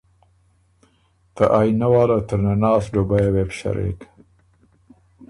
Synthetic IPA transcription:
t̪əʔajnawɑːlat̪əɾnanɑːsɖobajawepʃa̰ɾḛk

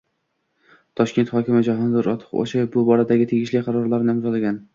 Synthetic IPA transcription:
t̪ʰɒʃkʲe̞nt̪hɒkʲɪmɪd͡ʒaɦɒnd̪ɪɾɒ̰t̪ʰɪ̥qo̰ʃabʊbɒɾad̪aɡʲɪt̪ʰeɡʲɪʃlɪqʰɑɾɒɾlaɾnɪɪmzɒlˠaɡʲan

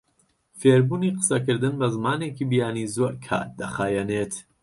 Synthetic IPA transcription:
feːɾbuːniːqə̥sɐkɨɾd̪ɨnbɐzmaːneːkibijaːniːzoʔkʰa̰ːt̪̚d̪ɐxaːjɛneːt̪

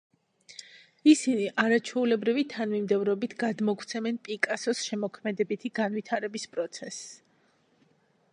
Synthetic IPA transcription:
isiniʔaɾat͡ʃʰwɛulɛbɾivit̪ʰanmimd̪ɛvɾɔbit̪ʰɡ̥ad̪mɔkʰt̪sʰɛmɛnpʼikʼasɔsʃɛmɔkʰmɛd̪ɛbit̪ʰiɡanvit̪ʰaɾɛbispʼɾɔt̪sʰɛs

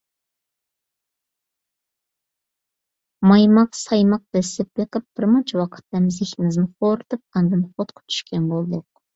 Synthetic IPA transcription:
mɑjmɑqsɑjmɑq̚d̪̥ɛsɪp̚bɨqɨp̚b̥ɪɾmɑt͡ʃʰwɑqʰə̥t̪ːɛmzɪxʲɪnɪznɪχoɾɨt̪ʰɨp̚ɑnd̪ɨnχot̪qʰʊ̥t͡ʃ̪ʰy̥ʃkʲɛnbolˠd̪ʊq

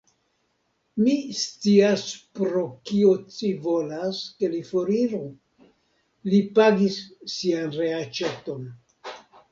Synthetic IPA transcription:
mist͡siaspɾo̞kio̞t͡sivo̞laske̞lifo̞ɾiɾu | lipaɡisːianɾe̞at͡ʃe̞to̞n

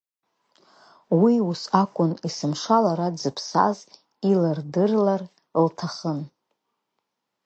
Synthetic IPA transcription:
wiusakʷʼʊnisɨmʂalaɾadd͡zɨpʰsa̰z | ilɨrdɨrlar | ltʰaχən

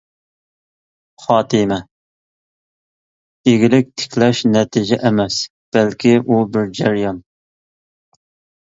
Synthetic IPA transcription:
χɑːt̪ʰɨmɛ | eɡʲilɪk̚ʲt̪ʰɪ̥kʲʰlɛʃnɛt̪ʰɪd͡ʒɛʔɛmɛs | b̥ælkʲʰiʔubɪɾd͡ʒæɾjɑn

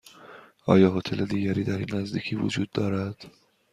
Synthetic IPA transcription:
ʔɒ̰ːjɒːɦot̪ʰe̞led̪iːɟæɾiːd̪æɾinːæzd̪iːcʰiːvo̰d͡ʒuːd̪ːɒːɾæd̪̥

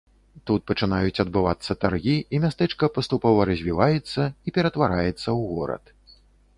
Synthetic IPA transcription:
t̪ut̪̚pɐt͡ʂɨnajut͡sʲɐd̪bɨvat̪sːɐt̪arɣʲiimʲast̪ɛt͡ʂkɐpɐst̪upɔvɐɾɐzʲvʲivajɛt̪sːɐipʲɛɾɐt̪vaɾajɛt̪sːɐwɣɔɾɐ̰t̪

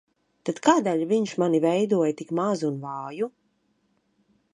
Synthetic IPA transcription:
t̪ad̪kaːd̪ɛʎʲviɲʃmanivɛjd̪uɔjt̪ikmazunvaːju

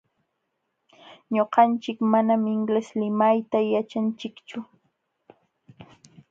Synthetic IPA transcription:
ɲoqɑnt͡ʃɪkmanamɪŋɡleslɪmajt̪ajat͡ʃant͡ʃɪkt͡ʃʊ

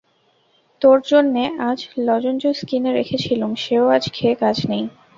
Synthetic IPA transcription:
t̪oɾd͡ʑonːeʔad͡ʑlɔd͡ʑond͡ʑoskineɾekʰet͡ɕʰiloŋʃeoad͡ʑkʰekad͡ʑʱnej

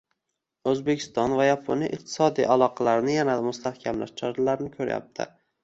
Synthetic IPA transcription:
ɵzbekʲʰɪ̥st̪ɒnvajapʰʊnɪʔɪq̚t̪ʰɪ̥sɒd̪ijʔalˠɒqʰɑlaɾnɪjanad̪mʊst̪ʰahkʲʰamla̰ʃt͡ʃʰɒɾalaɾɪnɪkʲʰɵɾa̰ja̰p̚t̪ʰɪ̰

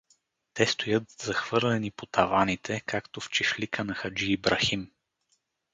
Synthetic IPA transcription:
t̪ɛst̪ojɤt̪zɐxv̥ɤɾlɛnipot̪ɐvanit̪ʰɛkʰakt̪oft͡ʃɛʃlikənɐxɐd͡ʒiːbɾɐxim

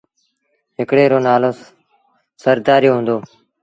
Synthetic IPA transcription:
ɦɪkɽeːɾoːnaːloː | səɾd̪aːɾjoːɦʊ̃ːnd̪oː

